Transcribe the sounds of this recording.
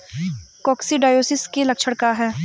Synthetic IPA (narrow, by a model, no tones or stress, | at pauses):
kɔːksiɖaːjoːsɪskelɐkʃʰəɽkaɦɛː